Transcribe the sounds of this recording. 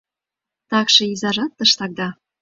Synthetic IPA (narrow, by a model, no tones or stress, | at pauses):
t̪ɑkʃɤ̆izɑʒɑt̪ːɤ̆ʃt̪ɑk̚d̪ɑ